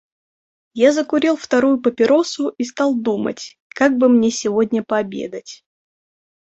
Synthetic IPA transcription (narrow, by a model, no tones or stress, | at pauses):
jazəkʊɾʲilˠft̪ɐɾujʊpəpʲɪɾo̞sʊʔist̪ɑlˠd̪umə̰tʲ | kaɡ̚bɨmnʲesʲɪvodʲnʲəpəɐbʲḛd̪ətʲ